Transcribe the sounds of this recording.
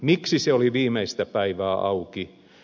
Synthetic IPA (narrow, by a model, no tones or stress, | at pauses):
miksiseoliʋiːmeist̪æpæiʋæːʔɑuki